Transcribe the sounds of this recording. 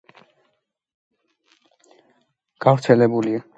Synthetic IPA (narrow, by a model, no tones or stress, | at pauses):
ɡ̥avɾt̪sʰɛlɛbulia